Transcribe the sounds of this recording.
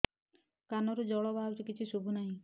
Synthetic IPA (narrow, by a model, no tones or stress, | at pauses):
kanɔɾud͡ʒɔɭɔbʱawɾikit͡ʃʰisubʱunaɦĩ